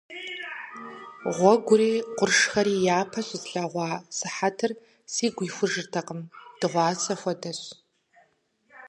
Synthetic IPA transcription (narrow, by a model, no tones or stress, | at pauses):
ʁʷɔɡʷʊriːqʷʊrʂxɐɾiːjaːpʰɐɕʷɪzɬaʁʷɑːsɨħatʰɨr | siːɡʷiːxʷʊʐɨrtʰɐqəmd̥ɨʁʷɑːsɐxʷɔdɐɕ